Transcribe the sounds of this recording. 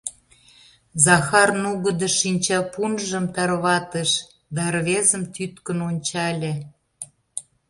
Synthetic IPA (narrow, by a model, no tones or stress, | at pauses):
zɑxɑrnuɣə̆d̪ə̆ʃinʲt͡ɕɑpunʒə̆mt̪ɑrβɑt̪əʃ | d̪ɑrβezəmt̪yt̪kə̆nonʲt͡ɕɑlʲĕ